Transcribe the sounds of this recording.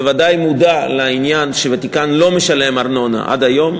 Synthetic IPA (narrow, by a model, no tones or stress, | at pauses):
vadajmud̪aleainjanʃevat̪ikanlo̞meʃale̞maʁno̞na̰ʔa̰d̪ajo̞m